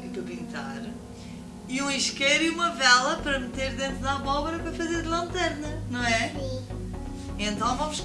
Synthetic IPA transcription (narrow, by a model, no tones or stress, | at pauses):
d̪upĩnt̪aɾ | iũiʃkɛɾjiumɐvɛlˠɐpɐɾɐmɨt̪eɾðẽnt̪ɾuðaβɔβɾɐpɾɐfɐzeɾðlˠɐ̃nt̪ɛɾnɐnɐ̃w̃ɛ | ẽnt̪ɐ̃w̃vɐ̃muʃ